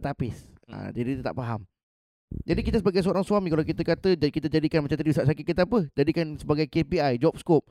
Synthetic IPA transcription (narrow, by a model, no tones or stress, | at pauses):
t̪apɪs | a̰d͡ʒadikit̪ət̪a̰ʔpaɦam | d͡ʒadikit̪əsəbaɡajsəoɾaŋsuamĩkalawk̬it̪əkat̪əkit̪əd͡ʒadikanmat͡ʃamt̪ədisaʔs̬akɪt̪̚kit̪əapəd͡ʒadikansəbaɡajkepiajd͡ʒɔp̚skɔp̚